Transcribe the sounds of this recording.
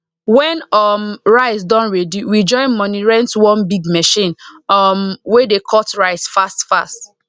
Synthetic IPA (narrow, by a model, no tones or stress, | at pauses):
wɛ̃nɔmɹaɪsdɔ̃nɹɛdiwid͡ʒɔ̃ɪ̃nmɔniɹɛ̃ntwɔ̃nbiɡmɛʃĩnmwedekʰɔtɹaɪsfastfast